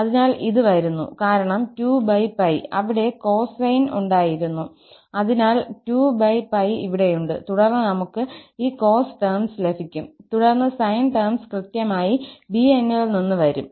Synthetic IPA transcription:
ɐðinaːliðɨʋɐɾunːṵkaːɾɐɳɐmtuːbɐjpɐjɐʋiɽe̞ko̞ːssɐjnṵɳɖaːjiɾunːu | ɐðinaːltuːbɐjpːɐjiʋiɽe̞juɳɖɨ̰t̪uɽɐrnːɨnɐmukːɨiːko̞ːsʈermsle̞bʰʱikʲːumt̪uɽɐrnːɨsɐjnʈɐrmskrɨt̪jɐmaːjibienːɐɭninːɨʋɐɾum

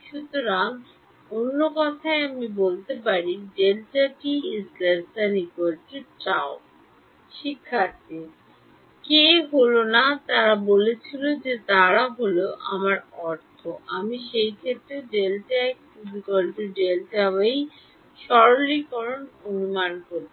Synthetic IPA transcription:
ʃut̪oɾaŋ | onːokɔt̪ʰaeamibolt̪epaɾiɖelʈaʈiisleɾsanikolʈit͡ɕao | ʃikʰːaɾt̪e | keɦolonat̪aɾabolet͡ɕʰilod͡ʑet̪aɾaɦoloʔa̰maɾɔɾt̪ʰoʔamiʃejkʰet̪ɾeɖelʈaɛk̚pubikolʈiɖelʈabej | ʃɔɾolikɔɾononumankoɾb

